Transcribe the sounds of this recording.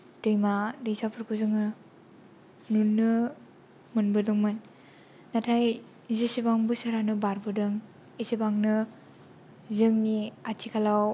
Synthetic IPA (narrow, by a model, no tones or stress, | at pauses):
tɯjmaɾisapʰɯɾkʰuzɯŋɯ | nunːɯ | mɯnbɯdɯŋmɯnː | atʰaj | zisibaŋbɯsaɾanɯbaɾbɯdɯŋ | isibaŋnɯ | zɯŋniatʰikʰalaw